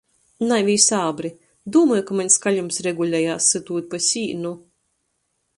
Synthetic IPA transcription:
najvʲiːsaːbɾi | d̪uɔmɔːjkamaɲʲskaʎʲumsɾɛɡulʲɛjaːsːɨt̪uːt̪̚ʲpasʲiːnu

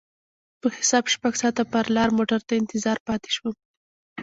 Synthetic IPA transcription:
pəxɪ̥sɑbʃpaɡsɑt̪apaɾlɑɾmoʈaɾt̪aɪnt̪ɪzɑɾpɑt̪e̥ʃwə

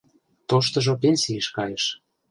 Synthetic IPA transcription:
t̪oʃt̪ɤ̆ʒop̬enʲsiəʃkɑjeʃ

